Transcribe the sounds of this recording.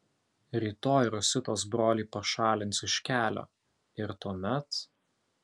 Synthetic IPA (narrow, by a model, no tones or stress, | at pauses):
ɾʲiːt̪oːjɾʊsʲɪt̪oːs̬bɾoːlʲiːpɐʃɑːlʲɪnt̪sɪʃʲkʲæːlʲo̰ː | ɪɾt̪oːmʲɛt̪